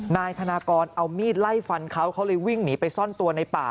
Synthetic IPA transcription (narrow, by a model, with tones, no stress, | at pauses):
naː˧jt̪ʰa˧naː˧kɔː˧nʔa˧wmiː˥˩t̪̚la˥˩jfa˧nkʰa˦˥wkʰa˦˥wlɤː˧jwi˥˩ŋniː˩˦pa˧jsɔ˥˩nt̪u˧ɐna˧jpa̰ː˨˩